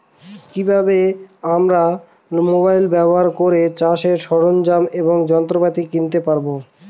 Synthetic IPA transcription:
kibʱabeamɾa | mobajlbɛboɦaɾkoɾet͡ɕaʃeɾʃɔɽond͡ʑameboŋd͡ʑɔnt̪ɾopat̪ikint̪epaɾbo

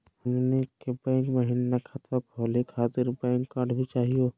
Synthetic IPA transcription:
hɐmnekebɛ̃ːŋkməɦinnakʰat̪ʋakoːlikʰaːt̪ɪɾbɛ̃ːŋkːaːɖbʱit͡ʃaːɦijoː

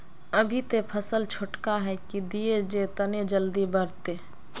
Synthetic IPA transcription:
ɐbʱit̪epʰəsəlt͡ʃʰʊʈkaɦɛkid̪ied͡ʒet̪ɐned͡ʒəld̪ibəɾt̪eː

